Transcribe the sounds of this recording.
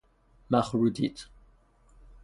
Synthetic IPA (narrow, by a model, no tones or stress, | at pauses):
maχɹud̪it̪